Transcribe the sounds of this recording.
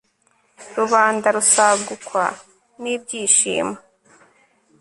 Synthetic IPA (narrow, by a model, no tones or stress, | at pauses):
ɾuβaːndaɾusaɡukwa̰ | nibɟiːʃḭːma